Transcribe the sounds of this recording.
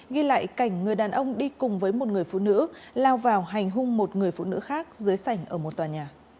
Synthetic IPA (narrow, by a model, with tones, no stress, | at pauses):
ɣi˧la̰ː˧˨jka˧˩jŋ̟ŋɨ˨˩əjɗaː˨˩nʔə˧wŋ͡mɗi˧kʊ˨˩ŋ͡mvəː˨˦jmo˨˩t̚ŋɨ˨˩əjfṵ˧˨nɨ̰˧˥laː˧wvaː˨˩wɦa˨˩jŋ̟ɦʊ˧ŋ͡mmo˨˩t̚ŋɨ˨˩əjfṵ˧˨nɨ̰˧˥xaː˦˥k̚zɨː˨˦jsa˧˩jŋ̟ʔəː˧˩mo˨˩t̚t̪waː˨˩ɲaː˨˩